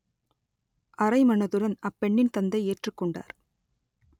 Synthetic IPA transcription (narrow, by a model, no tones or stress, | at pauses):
ʔɐɾɐɪmɐnɐðɯɾɐnɐpːɛɳːɪnt̪ɐnd̪ɐɪeːʈrɯkːɔɳɖa̰ːɾ